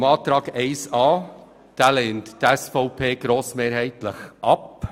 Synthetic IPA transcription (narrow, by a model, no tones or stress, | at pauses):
mɑːt̪ɾɑːɡɛɪsɑː | d̪̥æːleːntdɛsfoʊpʰeːɡ̥ɾoːsmeːɾhɛɪt̪ləχʔɑp